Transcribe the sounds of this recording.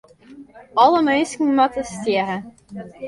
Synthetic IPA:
ɑləmœɥnskŋ̩mɑtəstiəɾə

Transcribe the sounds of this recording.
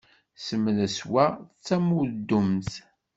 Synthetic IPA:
səmːləswæt͡sːæmuðd̪ːumθ

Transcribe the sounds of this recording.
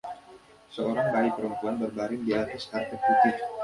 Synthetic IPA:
səoɾaŋbaipəɾəmpuanbərbaɾɪŋdiat̪ɪskart̪əput̪ɪf

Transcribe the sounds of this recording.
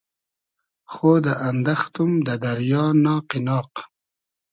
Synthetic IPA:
xoːd̪əʔand̪axt̪umd̪əd̪ɐɾjɑːnɑːqinɑːq

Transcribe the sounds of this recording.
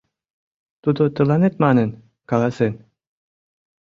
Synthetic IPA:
t̪ud̪ot̪ɯlˠɑnet̪̚mɑnɯn | kɑlˠɑsɯn

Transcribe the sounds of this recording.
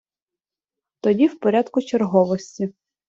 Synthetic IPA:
t̪ɔdʲiwpɔɾʲad̪kʊt͡ʃerɦɔʋɔsʲtʲi

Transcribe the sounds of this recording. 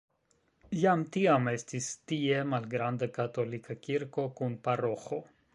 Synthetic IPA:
jamtiame̞stistie̞malɡɾandakato̞likakiɾko̞kunpaɾo̞xo̞

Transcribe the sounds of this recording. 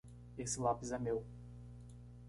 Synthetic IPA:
esɪlapizɛmew

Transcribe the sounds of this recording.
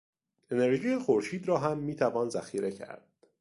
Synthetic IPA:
e̞ne̞ɾʒiːjexoɾʃiːd̪ɾɒːɦæmːiːt̪ʰævɒːnzæxiːɾʔe̞cʰæ̰ɾd̪̥̚

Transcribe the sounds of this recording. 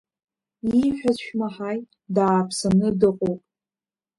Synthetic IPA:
iħʷᶣazʃᶣmaħaj | daːpʰsamnɨdɨqʼowpʼ

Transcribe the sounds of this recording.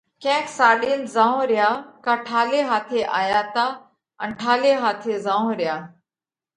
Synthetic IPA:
kɛ̃ːksaːɗiːnzãːɦõɾɪjaːkaːʈʰaːleːɦaːt̪ʰeʔaːjaːt̪aː | ənʈʰaːleːɦaːt̪ʰezãːɦõːɾjaː

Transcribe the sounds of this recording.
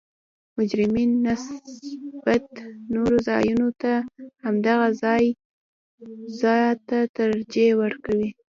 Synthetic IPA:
mʊd͡ʒɾɪminːas | b̥at̪noɾozɑjunot̪ahamd̪aɣazɑj | zɑt̪at̪əɾd͡ʒewəɾkawi

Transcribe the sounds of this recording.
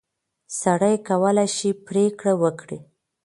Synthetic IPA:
saɽəjkawəlajʃipɾekɽawəkɽi

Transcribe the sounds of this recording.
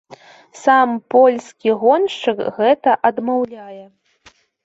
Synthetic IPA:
sampɔlʲskʲiɣɔnʂt͡ʂɨkɣɛt̪ɐʔɐd̪mawlʲajɛ

